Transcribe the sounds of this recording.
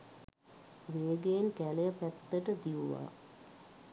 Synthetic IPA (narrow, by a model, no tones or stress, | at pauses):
ʋeːɡejnkælejəpæt̪ːəʈəd̪iuʋa̰ː